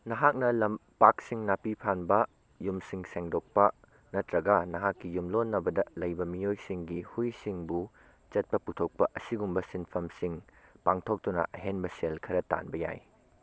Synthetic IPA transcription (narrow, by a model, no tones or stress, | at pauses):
nɐɦak̚nɐlɐmpak̚siŋnapipʰanbɐ | jumsiŋseŋdok̚pɐ | nɐtɾɐɡɐnɐɦakːijumlonːɐbɐdɐlɐjbɐmijojsiŋɡihujsiŋbu | t͡ʃɐt̚pɐputʰok̚pɐʔɐsiɡumbɐsinpʰɐmsiŋpaŋtʰok̚tunɐ̰ʔɐɦenbɐselkʰɐɾɐta̰nbɐja̰j